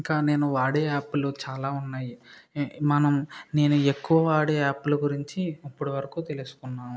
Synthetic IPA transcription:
iŋkaːne̞ːnuʋaːɽeaːpːulut͡ʃaːlaːunːaːji | mɐnɐmne̞ːnue̞kːuʋɐʋaːɽeaːpːuluɡuɾiɲt͡ʃiɐpːuɽiʋɐɾɐkuːt̪e̞lusu̥kunːaːm

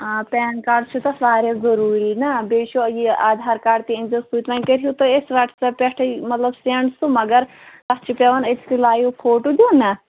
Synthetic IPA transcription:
apɛːnkaːɾɖt͡ʃʰut̪ɐsaːɾjɐzɐɾuːɾinɐbeːʃojiaːd̪ʱaːɾkaːɖt̪iinzɐst̪ut̪ʋãːnkɐɾijut̪ɐesʋɐʈʰsɐpʲeʈʰmɐt̪lɐbseɳɖsumɐɡɐɾ | kɐst͡ʃʰipʲeʋɐnet̪ʰkilaːjupʰoːʈud̪iuːnɐ

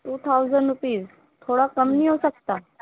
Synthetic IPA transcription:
ʈuːt̪ʰaud͡zəɳɖɾupiːs | t̪ʰoɽakəmniɦosəkt̪a

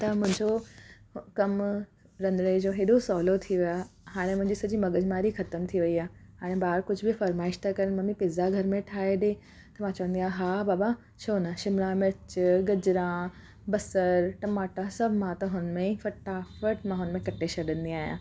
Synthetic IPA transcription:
t̪ɐmʊ̃ɦɪ̃ɲd͡ʑo | kɐm | ɾɐ̃nɾed͡ʑoːɦeːɗosɔːlot̪ʰiʋiaːɦaːɽ̃ẽmʊ̃ɦɪ̃ɲd͡ʑisɐd͡ʑimɐɡəd͡ʑmaːɾixɐt̪əmt̪ʰiʋɐiaːɦaːɽ̃ẽbaːɾkʊd͡ʑʱʊbɪfɐɾmaːɪʃt̪akɐɾənmɐmĩpɪːzaɡʱɐɾmẽʈʰaːeɗẽ | t̪ɐmãt͡ɕɐʋə̃nd̪iaːɦaːbaːba | ʃoːnaʃɪmɽãmɪɾt͡ɕɡɐd͡ʑɾã | bɐsəɾʈɐmaːʈasɐbʱmãt̪ɐɦʊnmẽfɐʈːafəʈmãːɦʊnmẽkɐʈʰeɕɐɗə̃nd̪iaːɦijãː

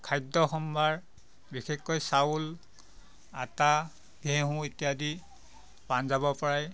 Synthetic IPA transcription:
kʰajdɔxɔmbʱaɹ | bixekːɔjsaul | ata | ɡʱeɦũetijadi | panzabɔpɔɹaj

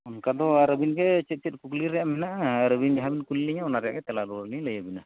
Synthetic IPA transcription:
ɔnkad̪ɔaɾəbinɡɛt͡ʃɛt̪̚ˀt͡ʃɛt̪̚ˀkukliɾɛjaʔmɛnaʔaɾəbind͡ʒaɦabinkulːiɲaɔnaɾɛja̰ʔɡɛt̪ɛlaɾɔɾliɲləjəbina

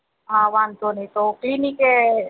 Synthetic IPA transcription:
ãːʋaːnt̪onɐĩt̪oklinike

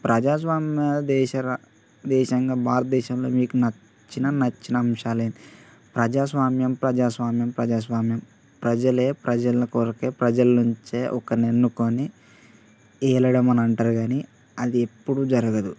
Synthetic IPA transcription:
pɾɐd͡ʒaːs̬ʋaːmjɐd̪ɛːʃɐɾɐ | d̪ɛːʃɐŋɡaːbʱaːɾɐt̪̚d̪ɛːʃɐmlo̞̰ːmiːkunɐ | t͡ʃːinɐnɐt͡ʃːinɐːmʂaːleːnd̪i | pɾɐd͡ʒaːsʋaːmjɐmpɾɐd͡ʒaːsʋaːmjɐmpɾɐd͡ʒaːs̬ʋaːmjɐm | pɾɐd͡ʒɐle̞ːpɾɐd͡ʒɐlɐkoɾɐkeːpɾɐd͡ʒɐlɐnuɲt͡ʃe̞ːʔɔkɐnenːukoni | ɛːlɐɽɐmɐnɐɳʈaːɾuɡaːni | ɐd̪ie̞pːuɽud͡ʒɐɾɐɡɐd̪u

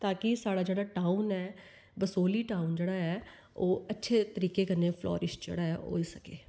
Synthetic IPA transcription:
t̪ãːkɪsaːɽaːd͡ʒeːɽaːʈaːʊnɛː | bəsoːliːʈaːʊnd͡ʒeːɽaːɦɛː | oːətːʃʰeːt̪əɾiːkeːkəɾneːpʰlɔ̰ːɾɪʃd͡ʒḛːɽaːɦɛːo̰ːiːsəkeː

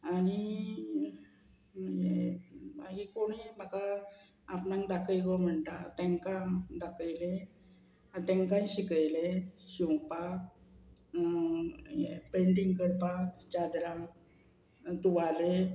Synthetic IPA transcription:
aɽ̃i | jeba̰ɡikoɽ̃iməkaː | pnãŋd̪akəjɡom̤əɳt̪at̪ɛ̃ŋkãd̪akəjle | t̪ẽŋkãjɕikəjleɕiwpak | epeɳʈiŋkəɾpakd͡ʑad̪ɾa | t̪uʋale

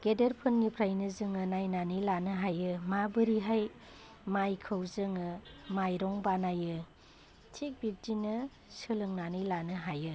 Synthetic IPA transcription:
ɡ̥edeɾpʰɯnɡipʰɾajnɯzɯŋɯnajnanɯjlanɯɦajɯmabɯɾiɦaj | majkʰɯwzɯŋɯmajɾɔŋbanajɯ | tʰik̚bip̚dinɯ | sɯlɯŋnanɯjlanɯɦajɯ

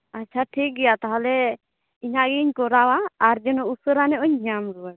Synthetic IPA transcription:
at͡ʃʰaʈʰik̚ɡɛjat̪aɦalɛ | iɲaʔɡiɲkɔɾawaːɾd͡ʒɛnɔusəɾanɛʔɔɲɲamɾuwa

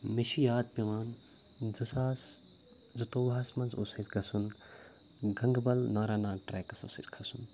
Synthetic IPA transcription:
meʃijaːd̪̚pʲɐʋaːn | zɨsaːs | zɐt̪oːbaːsmɐnzoːsɐsɡɐsun | ɡɐŋɡbɐlnaːɾaːnaːɡ̚ʈɾeːkɐso̰ːsɐ̰skʰɐsun

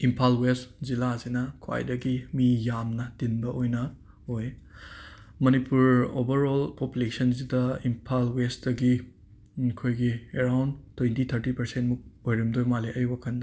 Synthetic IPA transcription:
impʰalwestzilazinɐkʰwa̰jdɐɡimijamnɐd̥inbɐʔojnɐ | oj | mɐnipuɾobɐɾolpopulesɐnzidɐimpʰalwestdɐɡi | kʰojɡieɾawndtʰːwentit̪ʰɐɾtipɐɾsentmuk̚ojɾimdojmaliʔɐjbɐkʰɐndɐ

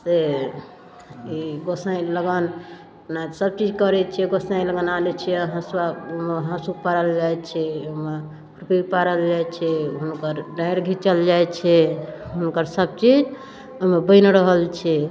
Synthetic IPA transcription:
se | iɡosaj̃ləɡən | nasəb̚t͡ʃid͡ʒkəɾɛt͡ʃʰɛɡosãləɡənalɛt͡ʃʰɛəɦãswameɦãsuk̚paɾəld͡ʒajt͡ʃʰɛome | kɾupipaɾəld͡ʒajt͡ʃʰɛɦunkəɾɖaɪɾɡʱit͡ʃəld͡ʒajt͡ʃʰɛɦunkəɾsəbt͡ʃid͡ʒ | omebəɪnɾəɦəlt͡ʃʰɛ

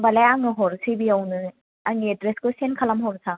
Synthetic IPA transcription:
balajaŋɯɦɔɾsibijawnɯ | aŋiedɾeskɯsenkʰalamɦɔɾsa

